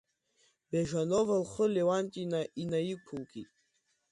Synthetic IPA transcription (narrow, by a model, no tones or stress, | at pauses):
beʒanovalχəlewantʼinaʔinajikʰulkʰʼḭ